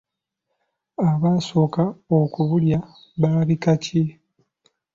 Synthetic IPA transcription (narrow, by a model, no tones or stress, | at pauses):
aβaːso̞ːkaokuβulja | βaːβikace